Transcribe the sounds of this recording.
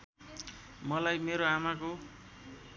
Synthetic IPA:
mʌlajmeɾoamako

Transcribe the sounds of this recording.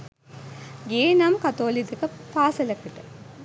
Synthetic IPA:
ɡeːnɐmkɐt̪oːlid̪ɐkɐpaːsɐlɐkːiʈɐ

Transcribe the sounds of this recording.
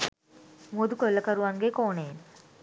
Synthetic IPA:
mod̪ukolːɐkɐɾuʋaŋɡekoːneːn

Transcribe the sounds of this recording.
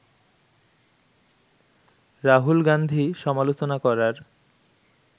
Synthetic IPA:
ɾaɦulɡand̪ʱiʃɔmalot͡ɕonakɔɾaɾ

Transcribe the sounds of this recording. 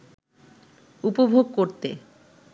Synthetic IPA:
upobʱoɡ̚koɾt̪e

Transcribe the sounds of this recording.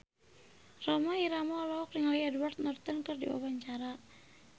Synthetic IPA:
rɔmaiɾamɔlɔɔkriŋɔiɛduwart̪̚nɔrt̪ənkɨrdḭwa̰waɲt͡ʃaɾa

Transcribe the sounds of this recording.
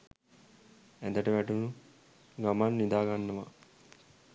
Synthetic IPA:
ɛd̪əʈɐʋæʈunu | ɡamanːid̪aːɡanːɐʋa

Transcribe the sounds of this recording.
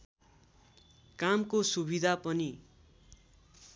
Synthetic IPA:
kamkosubid̪ʱapʌni

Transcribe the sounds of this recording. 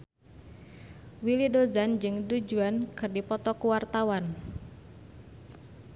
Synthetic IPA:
wilidozand͡ʒɨŋdud͡ʒuankɨrdipɔt̪ɔkuwart̪awan

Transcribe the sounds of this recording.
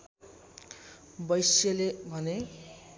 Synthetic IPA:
bʌjsjʌlebʱʌne

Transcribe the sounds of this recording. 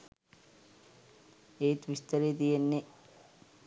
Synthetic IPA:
eːt̪ʋist̪ɐɾejt̪ijenːe

